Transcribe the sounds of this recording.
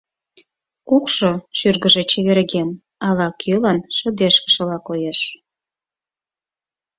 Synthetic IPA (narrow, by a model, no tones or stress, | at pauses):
kukʃoʃyrɣəʒet͡ɕeβeɾɣen | ɑlɑkʰølənʃə̆d̪eʃkə̥ʃə̆lɑkojeʃ